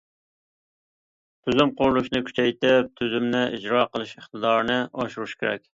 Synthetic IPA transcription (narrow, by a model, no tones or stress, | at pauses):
t̪ʰyzymqʊɾlˠuʃnɨkʲʰy̥t͡ʃʰɛjt̪ɪp̚t̪ʰyzymnɪʔid͡ʒɾɑːqəlˠɨʃeχt̪ɨd̪ɑːɾnɨʔɑʃuɾuʃkʲʰeɾɛ̰kʲ